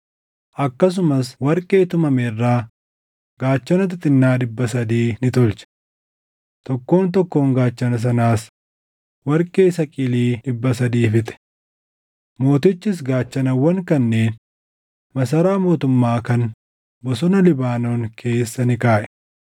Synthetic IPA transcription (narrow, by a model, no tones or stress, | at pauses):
ʔɐkːɐs̬ʊmɐswɐɾkʼe̞ːt̪ʊmɐmɛrːaː | ɡ̥aːt͡ʃːɐnɐt̪̬ɪt̪ʼɪnːaːɗɪbːɐsɐd̪iːnɪt̪ʊlt͡ʃɛ̥ | t̪ɔkːo̞ːnt̪̬ɔkːo̞ːŋɡaːt͡ʃːɐnɐs̬ɐnaːs | wɐɾkʼeːsɐkʼɪliːᶑɪbːɐsɐd̪iːfɪt̪ɛ̥ | mo̞ːt̪ɪt͡ʃːɪs̬ɡaːt͡ʃːɐnɐwɐŋkɐnːeːn | mɐsɐɾaːmo̞ːt̪ʊmːaːkɐn | bɔsɔnɐlɪbaːnoːŋkʰe̞ːsːɐnɪkaːʔɛ̥